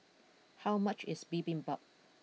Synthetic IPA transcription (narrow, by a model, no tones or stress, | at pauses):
hawmat͡ʃɪsbibĩŋbap̚